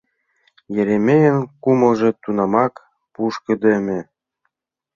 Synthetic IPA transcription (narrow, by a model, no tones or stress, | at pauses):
jeɾemʲejə̆nkumɤ̆lʒĕt̪unɑmɑk | puʃkɤ̆d̪emʲĕ